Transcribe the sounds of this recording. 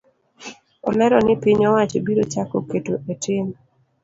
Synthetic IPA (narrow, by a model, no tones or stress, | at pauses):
ɔlɛɾɔnɪpɪɲɔwat͡ʃebiɾot͡ʃakoketoʔetʰɪm